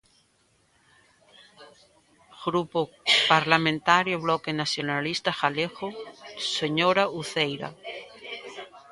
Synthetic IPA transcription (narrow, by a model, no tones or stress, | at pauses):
ɣ̥ɾupo | paɾlamẽnt̪aɾjoβlɔkenaθjonalist̪axalexoseɲoɾauθejɾa̰